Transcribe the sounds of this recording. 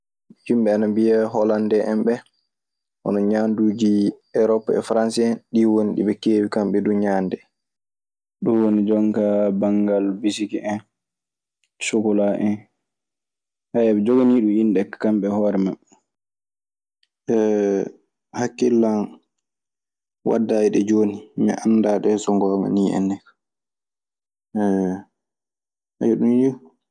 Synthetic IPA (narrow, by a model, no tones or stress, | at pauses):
himɓɛanambijaɦɔlandɛʔɛmɓɛ | ʔɔ̰nɔɲaːnduːd͡ʒiɛɾɔpːɛ̰fɾansiɛnɗiwoniɗḭɓɛkeːwikamɓɛduɲaːndɛ | ɗunwonid͡ʒɔŋkabaŋɡalbisikiʔɛn | sukɔlaʔɛn | hajɛɓɛd͡ʒoɡaniɗuinɗɛkkːamɓɛhɔːɾɛmaɓːɛ | ɛ | hakːilːan | wa̰dːaːjiɗɛd͡ʒoːnimɛ̰ʔanːdaɗɛsɔŋɡɔːŋa̰niːʔɛ̰nːɛkḁ | ɛ | hajɔɗunji